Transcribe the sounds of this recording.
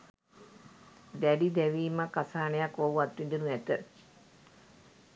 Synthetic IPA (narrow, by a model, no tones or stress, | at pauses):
d̪æɖid̪ɛʋiːmakasaːnejakoʋuat̪ʋind̪enuæt̪ə